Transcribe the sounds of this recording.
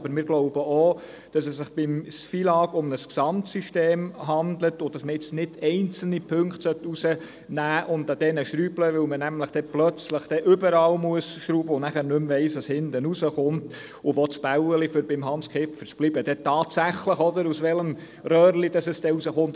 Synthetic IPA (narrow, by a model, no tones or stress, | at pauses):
b̥əɾmɪːɾɡ̥loʊbəoː | d̥ɑsɛsːɪχb̥ɪmsfiːlɑːɡ̥ʊmnəsksɑmtsiʃteːmɦɑndlətʊd̥ɑsməɪt͡snɪtɛɪnt͡sl̩nipʰɵŋkχtsœtusə | næːʔʊndɑd̥̪ɛnəʃɾyːbləʋɪwmənæmləχd̥ɛplœt͡sləχd̥ɛʔʏbəɾɑːlmuəsʃɾuːbəʊnæχæːɾnɵmvɛɪsʋɑshɪndənusəχʊnt | ʊʋɔt͡sb̥æʊwəlifʏɾbɪmɦɑnskχɪpfəɾsb̥libəd̥ɛtɑːtsæχləχɔdəɾusʋɛləm | rœːɾlid̥ɑsɛsd̥ɛusəχʊnt